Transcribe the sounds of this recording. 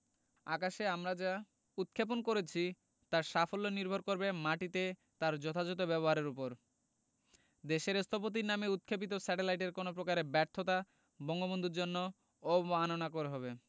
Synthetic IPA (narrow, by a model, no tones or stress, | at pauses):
akaʃeamɾad͡ʑa | ut̪̚kʰep̬onkoɾet͡ɕʰi | t̪aɾʃafolːoniɾbʱoɾkoɾbemaʈit̪e | t̪aɾd͡ʑɔt̪ʰad͡ʑot̪obɛβoɦaɾeɾupoɾ | d̪eʃeɾest̪ʰop̬ot̪̬iɾnameut̪̚kʰep̬it̪̬osɛʈelajʈeɾkonop̬ɾokaɾebɛɾt̪ʰot̪a | bɔŋɡobond̪ʱuɾd͡ʑonːo | oanonakoɾeɦɔβe